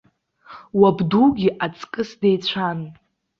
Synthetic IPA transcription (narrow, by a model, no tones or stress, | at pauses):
wabduɡʲiʔat͡sʼkʼɨsdejt͡ɕʷʰan